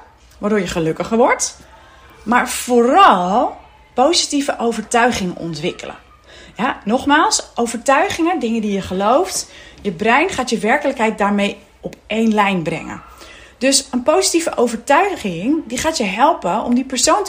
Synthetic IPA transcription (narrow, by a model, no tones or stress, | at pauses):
ʋaːdʊɹjəχəlɵkəχəɹʋɔɹt | maːɹv̥oɾɑlˠ | powzitivəʔowvəɹtœɥχɪŋɔ̰ntʋɪkələ̰ | janɔχmaːlˠsʔowvəɹtœɥχɪŋədɪŋədijəχəlowftjəbrɛjnχaːtjəʋɛɹkələkɦɛjt̚daːɹmej | ɔpejnlɛjnbrɛ̰ŋə̰ | døsənpowsitivəʔowvəɹtœɥχɪŋdiχaːtjəɦɛlˠpəɔ̰mdipəɹsownt